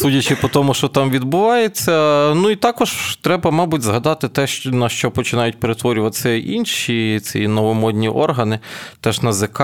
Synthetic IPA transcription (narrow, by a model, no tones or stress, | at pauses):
sudʲɐt͡ʃɪpɔt̪ɔmʊʃt͡ʃɔt̪ɑmʋʲid̪̚bʊʋɑjet͡sʲːɐnuit̪ɑkɔʒt̪ɾɛbɐmɑbʊtʲzɦɐd̪ɑt̪ɪt̪ɛʃnɐʃt͡ʃɔpɔt͡ʃɪnɑjʊtʲpeɾet̪ʋɔɾʲʊʋɐt̪sɛʔḭnʃit͡sʲinɔʋɔmɔd̪ʲnʲiʔɔ̰rɦɐnɪt̪ɛʒnɐzek